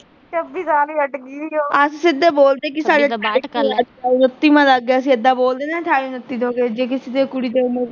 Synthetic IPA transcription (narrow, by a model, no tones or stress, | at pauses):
t͡ʃəbiːsaːliːəʈkiːd̪iːoːəssɪd̪eːboːld̪eːkɪsaːɖeːaaːinət̪ːiːmãːləɡːeːəsĩːəd̪ːãːboːld̪eːnãːʈʰaːinət̪ːiːt̪oːɡeːd͡ʒeːk̬ɪsɪd̪eːkʊɽiːd̪emẽ